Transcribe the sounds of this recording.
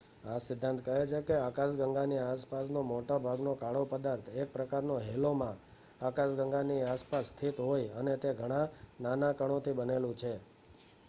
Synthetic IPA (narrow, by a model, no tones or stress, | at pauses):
ãsɪd̪ʱːãnt̪kəɦet͡ʃʰekeakaʃ̬ɡəŋɡaniaspasnomoʈabʱaɡnokaɭopəd̪aɾt̪ʰek̚pɾəkaɾnoɦɛlomã | akaʃɡəŋɡaniaspast̪ʰit̪ɦojənet̪eɡʱəɽ̃ãnanakəɽ̃ot̪ʰibənelũt͡ʃʰe